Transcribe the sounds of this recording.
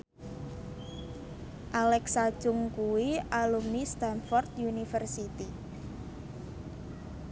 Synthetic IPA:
ʔalɛksad̥ʒ̥ʊŋkuwiʔalumist̪anfɔrt̪̚junifərsit̪i

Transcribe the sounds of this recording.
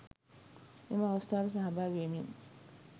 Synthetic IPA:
emastaɾs̬aɦabaɡemin

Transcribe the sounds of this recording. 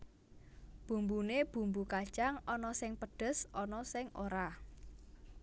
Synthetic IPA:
b̥ṳmbuneb̥ṳmbukḁt͡ʃaŋʔɔnɔsɪŋpəɖ̥ə̤sʔɔnɔsɪŋʔoɾa

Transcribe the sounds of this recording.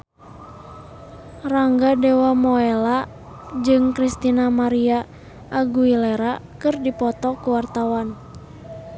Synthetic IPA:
raŋɡadɛwamɔɛla | d͡ʒɨŋkɾist̪inamaɾia | ʔːɡuilɛɾakɨrdipɔt̪ɔkuwart̪awan

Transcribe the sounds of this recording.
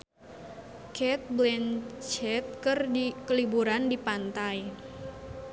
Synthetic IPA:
kɛt̪̚blɛnt͡ʃɛt̪̚kərdikəlibuɾandipant̪aj

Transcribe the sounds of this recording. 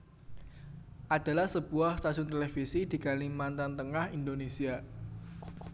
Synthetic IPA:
ʔad̪̥a̤lahsəb̥uahst̪asʊnt̪elefisid̪̥i̤kalimant̪ant̪əŋahind̪onesia

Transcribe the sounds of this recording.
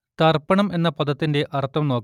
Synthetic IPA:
t̪ɐrpɐɳɐme̞nːɐpɐðɐt̪ːinde̞ʔʔɐrt̪ːɐmno̞ːkː

